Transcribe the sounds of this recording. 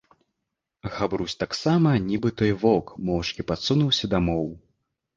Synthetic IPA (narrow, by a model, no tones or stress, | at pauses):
ɣabɾusʲt̪aksamɐnʲibɨt̪ɔjvɔkmɔwʂkʲipat̪sunuwsʲɐd̪amɔw